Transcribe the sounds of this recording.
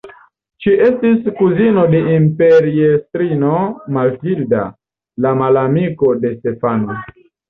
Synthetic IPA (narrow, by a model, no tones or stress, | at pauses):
t͡ʃiʔe̞stiskuzino̞de̞ʔimpeɾiestɾino̞malvilda̰ | lamalamiko̞de̞ste̞fano